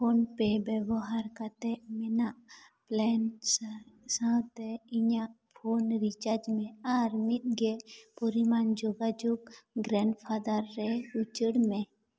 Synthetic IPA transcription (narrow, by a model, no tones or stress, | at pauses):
pʰonpebɛbɔɦaɾkat̪ɛʔmɛnaʔplɛnssãt̪ɛɪɲaʔ | pʰoːnɾit͡ʃaɾd͡ʒmẽaɾmit̪̚ɡepɔɾimand͡ʒoɡad͡ʒuɡɡɾɛɳɖpʰad̪əɾːɛut͡ʃəɽmẽ